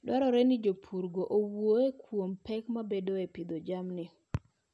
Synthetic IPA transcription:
dwaɾɔɾɛnɪd͡ʒopʰuɾɡoʔowoekwompɛkmabedoepid̪od͡ʒamnɪ

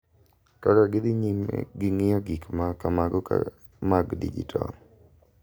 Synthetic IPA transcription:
kaɾɔɡɪd̪ɪɲḭɡɪŋɪjɔɡikmakamaɡɔka̰ | maɡdḭd͡ʒḭtʰɔ̰

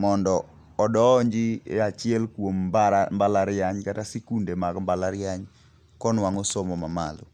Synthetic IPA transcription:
mɔndɔː | dɔɲd͡ʒiat͡ʃɪɛlkwombaɾambalaɾɪjaɲkatasekundemaɡmbalaɾɪaɲ | kɔnwaŋosomɔmama̰lo̰

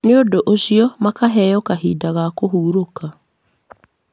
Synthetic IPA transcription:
neodoʔoɕiɔmakaɦɛjɔkaɦiːdaɣakoɦuːɾoka

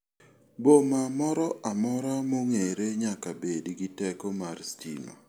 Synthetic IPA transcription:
bomamɔɾɔʔamɔɾamoŋeɾeɲakabediɡitɛkɔmarstḭno̰

